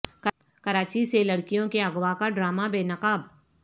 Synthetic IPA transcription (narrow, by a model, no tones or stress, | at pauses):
k | kɐɾaːt͡ʃiselɐɽkijõkeɐɡwakaɖɾaːmabeːnɐqaːb